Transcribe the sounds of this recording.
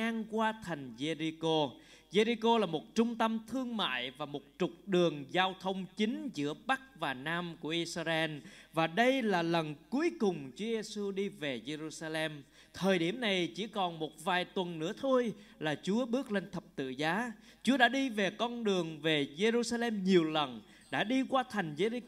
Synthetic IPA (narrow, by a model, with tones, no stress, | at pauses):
aː˧ŋkwaː˧t̪ʰa˨˩jŋ̟ze˧ɾi˧ko˧ | ze˧ɾi˧ko˧laː˨˩mo˨˩t̚t͡ɕʊ˧ŋ͡mt̪ə˧mt̪ʰɨ˧əŋma̰ː˧˨jvaː˨˩mo˨˩t̚t͡ɕʊ˨˩k͡p̚ɗɨ˨˩əŋzaː˧wt̪ʰə˧wŋ͡mt͡ɕï˨˦ŋ̟zɨ̰˧˥əɓa˦˥k̚vaː˨˩naː˧mku˧˩əʔi˧sa˧ʔɛ˧nvaː˨˩ɗə˧jlaː˨˩lə˨˩nku˨˦əjkʊ˨˩ŋ͡mt͡ɕu˨˦əze˧su˧ɗi˧ve˨˩ze˧ɾu˧saː˧lɛ˧m | t̪ʰəː˨˩jɗi˧˩əmna˨˩jt͡ɕḭ˧˥kɔ˨˩nmo˨˩t̚vaː˨˩jt̪wə˨˩nːɨ̰˧˥ət̪ʰo˧jlaː˨˩t͡ɕu˨˦əɓɨ˦˥ək̚le˧nt̪ʰə˨˩p̚t̪ɨ̰˧˨zaː˨˦ | t͡ɕu˨˦əɗa̰ː˧˥ɗi˧ve˨˩kɔ˧nɗɨ˨˩əŋve˨˩ze˧zu˧saː˧lɛ˧mɲi˨˩əwlə˨˩n | ɗa̰ː˧˥ɗi˧kwaː˧t̪ʰa˨˩jŋ̟ze˧ɾi˧